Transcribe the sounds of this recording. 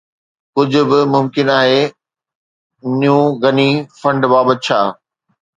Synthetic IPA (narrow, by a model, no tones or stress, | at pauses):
kʊd͡ʑʱʊ̆bɪmʊmkɪnaːɦeː | nijũɣɐnifɐ̃ɳɖbaːbət̪̚t͡ɕʰaː